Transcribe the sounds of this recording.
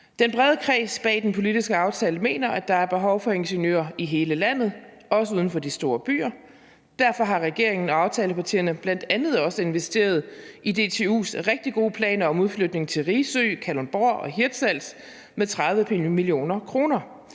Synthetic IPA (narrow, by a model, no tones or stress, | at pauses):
d̥enb̥ʁɛðˠəkʰʁɛ̰ːsb̥ɛ̰ːd̥enpʰo̝lid̥isɡ̥əɑ̈ʊt͡sʰɛːləme̝̰ːnɐʔæd̥ɑ̈æɐb̥e̝ɦɒ̽ʊfɒ̽e̝nɕənjø̰ːɐiɦe̝ːləlæn̰ð̞̩ˠ | ɒ̽s̬əuːð̞ˠn̩fɒ̽d̥isd̥o̝ːɐb̥y̰ːɐ | d̥æɐfɒ̽ɦɑ̈ʁɛɡ̥e̝ɐ̰eŋn̩ɒ̽ɑ̈ʊt͡sʰɛːləpʰɑ̈t͡sʰḭːɐnəb̥læn̰d̥ænð̞̩ˠɒ̽səe̝nʋesd̥e̝̰ːɐð̞̩ˠʔide̝ːt͡sʰe̝ṵːsʁeɡ̥̚d̥iɡ̥o̝ːpʰlɛ̰ːnɐɒ̽muð̞ˠflød̥ne̝ŋt͡sʰe̝lʁisø̰ːkʰælonb̥oɐ̰ɒ̽ɦiɐd̥sæl̰s | met͡sʰʁɑðˠʋəimilio̝̰ːnɐkʰʁo̝ːnɐ